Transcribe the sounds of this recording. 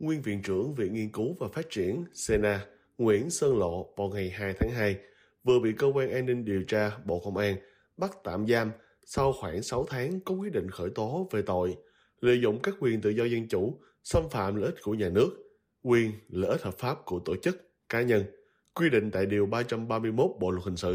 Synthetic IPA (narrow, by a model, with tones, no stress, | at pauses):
ŋwi˧ənvḭ˧˨nt͡ɕɨ˧˩əŋvḭ˧˨ŋi˧ənku˨˦vaː˨˩faː˦˥t̚t͡ɕi˧˩ənse˧naː˧ | ŋwḭ˧˩ənsəː˧nlo̰˧˨vaː˨˩wŋa˨˩jɦaː˧jt̪ʰaː˨˦ŋɦaː˧j | vɨ˨˩əɓḭ˧˨kəː˧kwaː˧nʔaː˧nːï˧ŋ̟ɗi˨˩əwt͡ɕaː˧ɓo̰˧˨kə˧wŋ͡mʔaː˧n | ɓa˦˥k̚t̪a̰ː˧˨mzaː˧m | sa˧wxwaː˧˩ŋsa˨˦wt̪ʰaː˨˦ŋkɔ˨˦kwi˦˥t̚ɗḭ̈˧˨ŋ̟xəː˧˩jt̪o˨˦ve˨˩t̪o̰˧˨j | lḛ˧˨zʊ̰˧˨ŋ͡mkaː˦˥k̚ːwi˨˩ənt̪ɨ̰˧˨zɔ˧zə˧nt͡ɕu˧˩ | sə˧mfa̰ː˧˨mlə̰ː˧˨ʔi˦˥t̚ku˧˩əɲaː˨˩nɨ˦˥ək̚ | kwi˧ənlə̰ː˧˨ʔi˦˥t̚həː˨˩p̚faː˦˥p̚ku˧˩ət̪o˧˨t͡ɕɨ˦˥k̚ | kaː˨˦ɲə˧n | kwi˧ɗḭ̈˧˨ŋ̟t̪a̰ː˧˨jɗi˨˩əwɓaː˧t͡ɕa˧mɓaː˧mɨ˧əjmo˦˥t̚ɓo̰˧˨lt̚hï˨˩ŋsɨ̰˧˨